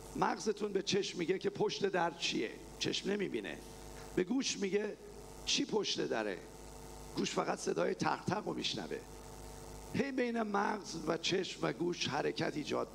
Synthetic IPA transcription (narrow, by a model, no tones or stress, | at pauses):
mæɣzet̪ʰunbe̞t͡ʃʰe̞ʃmːiɟekcʰe̞pʰoʃt̪e̞d̪æɾt͡ʃʰiḛ | t͡ʃʰe̞̰ʃmne̞mibinḛ | b̥e̞ɡuːʃmiɟe | t͡ʃʰiːpʰoʃt̪e̞d̪æ̰ɾḛ | ɡ̥uːʃfæɣæt̪se̞d̪ɒːjet̪ʰæ̰xt̪ʰæɣomiʃnæ̰ve̞̰ | he̞jbe̞jne̞mæɣzvæt͡ʃʰe̞ʃmvæɡuːʃhæɾecʰæt̪iːd͡ʒɒ̰ːd̪̚